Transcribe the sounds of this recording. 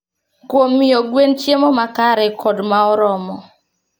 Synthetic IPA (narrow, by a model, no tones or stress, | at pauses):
kwomːioɡwent͡ʃjemɔmakaɾɛkʰɔdmaɔɾɔmɔ